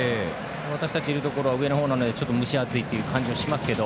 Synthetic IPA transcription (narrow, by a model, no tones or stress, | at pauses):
e | β̞at̪aɕi̥t̪at͡ɕiɾɯ̟t̪o̞ko̞ɾo̞βaɯ̟e̞nohoːnano̞d̪e̞t͡ɕo̞t̪ːo̞mɯ̟ɕiat͡sɨit̪ːejɯ̟ːkʰãɲ̟d͡ʑioɕimasɨ̥ke̞d̪o̞